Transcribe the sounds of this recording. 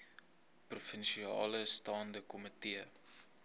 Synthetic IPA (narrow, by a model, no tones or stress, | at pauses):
prufənʃiɑ̰ːləstɑːndəkɔmətiə